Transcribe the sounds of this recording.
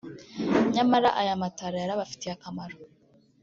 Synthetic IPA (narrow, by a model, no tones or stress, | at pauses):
ɲamaɾaʔajamataɾajaɾaβafi̥tiakamaɾo